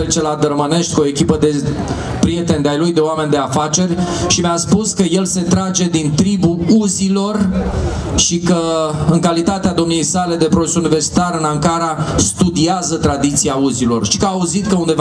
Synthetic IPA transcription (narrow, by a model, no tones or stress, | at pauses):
ɾet͡ʃe̞lad̪ərməne̞ʃt̪ʲkuo̞ekʲipəd̪e̞ | pɾije̞t̪e̞nd̪eajlujd̪e̞oame̞nʲd̪e̞afat͡ʃe̞rʲʃimeaspuskəje̞lse̞t̪ɾad͡ʒe̞d̪int̪ɾibuuzilo̞r | ʃikəɨŋkalit̪at̪ead̪o̞mnujejsale̞d̪e̞pɾo̞sunive̞rsi̥t̪aɾɨnaŋkaɾast̪ud̪iazət̪ɾad̪it̪siauzilo̞̰rʃikəaːuzit̪kəund̪e̞v